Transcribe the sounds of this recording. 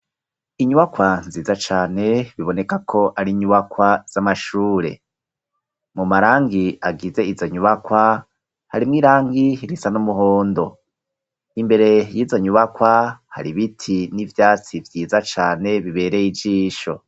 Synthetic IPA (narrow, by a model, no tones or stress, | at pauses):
iɲuβakwanziːzat͡ʃaːne̞βiβo̞ne̞kakʰo̞ʔaɾiɲuβakwaz̥amaʃuːɾe̞̰ | mumaɾaːŋɡiaɡize̞izo̞ɲuβakwa | haɾimŋiːɾaːŋɡiɾisanumuɦoːndo̞ | imbe̞ɾe̞jiːzo̞ɲuβakwaha̰ɾiβitʰinivjaːt͡sivjiːzat͡ʃaːne̞βiβe̞ːɾe̞jid͡ʒiːʃo̞̰